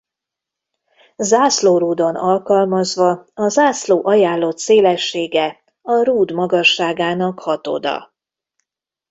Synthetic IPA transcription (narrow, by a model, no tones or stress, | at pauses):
zaːsloːɾuːd̪o̞nɒlkɒlmɒzʋɒɒzaːsloːʔɒjaːlːo̞t̪seːlɛʃːeːɡɛ | ɒɾuːd̪mɒɡɒʃːaːɡaːnɒkhɒt̪o̰d̪ɒ̰